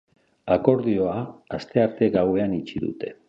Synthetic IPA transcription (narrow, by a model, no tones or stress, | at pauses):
ako̞ɾðio̞aast̪e̞aɾt̪e̞ɣawe̞anit͡ʃiðṵt̪e̞